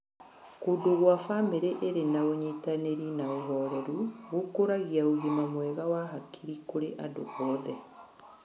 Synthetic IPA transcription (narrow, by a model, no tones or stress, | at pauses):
kodoɣwafameɾeʔeɾenaoɲitaneɾinaoɦɔɾɛɾuɣokoɾaɣiaoɣemamwɛɣawaɦakʰiɾikoɾeʔado̰ɣɔːðɛ